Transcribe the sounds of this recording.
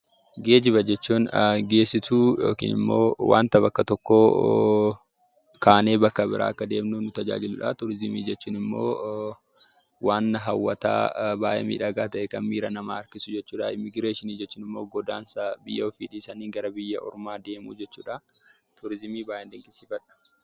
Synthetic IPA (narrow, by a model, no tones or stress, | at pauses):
ɡe̞ːd͡ʒɪβɐd͡ʒɛt͡ʃːuːnɡe̞ːsːɪt̪uːjo̰ːkḭːnɪ̰mːo̰ːwʔa̰ːnt̪ɐbɐkːɐt̪ɔkːoː | kaːne̞ːbɐkːɐbɪɾʔa̰ːɐkːɐd̪e̞ːmnuːnʊt̪ɐd͡ʒa̰ːd͡ʒɪlʊᶑɐ̰t̪ʊɾɪzɪmiːd͡ʒɛt͡ʃːuːnɪmːo̞̰ː | waːnːɐɦɐwːɐt̪a̰ːbaːʔḛmḭːᶑɐɡaːt̪ɐʔɛkɐnmiːɾɐnɐmaːɐɾkɪsʊd͡ʒɛt͡ʃːuːᶑɐɪmɪɡɾe̞ːʃɪniːd͡ʒɛt͡ʃːuːnɪmːoːɡɔd̪a̰ːnsɐbɪjːɐɔfiːᶑiːsɐniːɡɐɾɐbɪjːɐʔɔ̰ɾʊmaːd̪e̞ːmṵːd͡ʒɛt͡ʃːuːᶑɐt̪ʊɾɪzɪmiːbaːjɛnd̪ɪŋkʼɪsiːfɐᶑɐ̥